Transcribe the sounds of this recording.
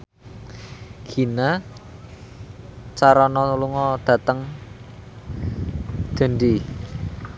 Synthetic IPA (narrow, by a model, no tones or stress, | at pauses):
ɡ̥ina | t͡ʃaɾɔnɔuluŋɔd̪̥ä̤t̪əŋ | d̥ə̤ndi